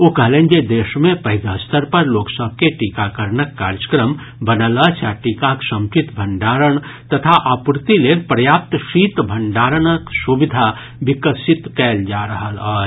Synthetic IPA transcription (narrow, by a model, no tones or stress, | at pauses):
oːkɐɦlẽnd͡ʒed̪eːʃmẽpəɦɪd̪əst̪əɾpɐɾloːksəb̚ʱkeʈikakəɾɳəkːa̰ːɾd͡ʒəkɾəm | bənələt͡ʃaʈiːkaksə̃mt͡ʃit̪bʱəɳɖaːɾəɳt̪ɐt̪ʰaʔaːpuɾt̪ilenpɾəjaːp̚t̪ʃiːt̪bʱəɳɖaːɾənəksubɪd̪ʱa | bɪkəsɪt̪kɛːld͡ʒaɾəɦəlaː